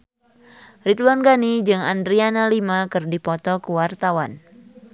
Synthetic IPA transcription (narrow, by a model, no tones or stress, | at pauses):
rit̪wanɡanid͡ʒɨŋa̰ndɾianalimakɨrdipɔt̪ɔkuwart̪awan